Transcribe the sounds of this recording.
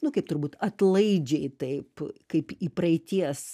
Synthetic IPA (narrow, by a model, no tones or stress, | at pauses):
nʊkɐɪp̚t̪ʊɾbuːt̪ɐt̪lˠɐɪd͡ʒʲɛɪt̪ɐɪpkɐɪpiːpɾɐɪt̪ʲiɛs